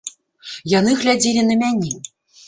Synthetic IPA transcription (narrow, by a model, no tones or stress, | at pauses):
jan̪ɨɣlʲad͡zʲilʲinɐmʲanʲɛ